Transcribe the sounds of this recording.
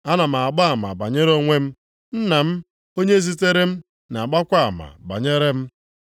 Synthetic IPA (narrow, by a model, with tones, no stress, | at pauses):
a˦na˨m̩˨a˨a˨ɡ͡ba˦a˨ma̰˨ba̰˨ɲe˦ɾo˦ŋʷe˦m̩˦ | n̩˦na˨m̩˦ | o˦ɲe˦zi˦t̬e˦ɾe˦m̩˦ | na˨ɡ͡ba˦kʷa˦a˨ma̰˨ba̰˨ɲe˦ɾe˦m̩˦